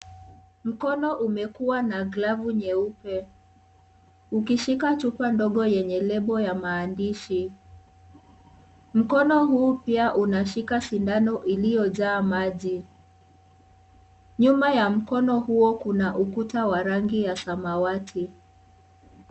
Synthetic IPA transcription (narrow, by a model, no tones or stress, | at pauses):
m̩kɔnɔʔumɛkuwanaɡlavuɲɛupɛ | ukiʃikat͡ʃupandɔɠɔjɛɲɛlɛɓɔjamaːndiʃi | m̩kɔnɔɦuːpiaʔunaʃikasindanɔʔilijɔʄaːmaʄi | ɲumajam̩kɔnɔhuɔkunaʔukutawaɾaŋɡijasamawatʰi